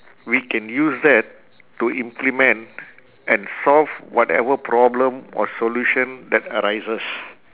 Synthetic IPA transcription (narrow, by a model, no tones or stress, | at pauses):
wikɛ̃njusdɛtː | uʔĩmplimɛ̃nt | ʔɛ̃nsɔlvwɔtɛ̰vəpʰɾɔblə̃mɔ̰soluʃə̃nd̪ɛtəɾaɪzəs